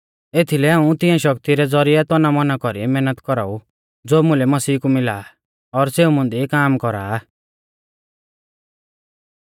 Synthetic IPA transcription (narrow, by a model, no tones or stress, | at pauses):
et̪ʰilɛaːũt̪ɪ̃ãʃɔkt̪iɾɛd͡zɔɾiɛt̪ɔnamɔnakɔɾimɛːnət̪kɔɾa̰u | d͡zoːmũlɛmɐsiːkumɪlaː | ɔɾseːumʊ̃nd̪ikaːmkɔɾaː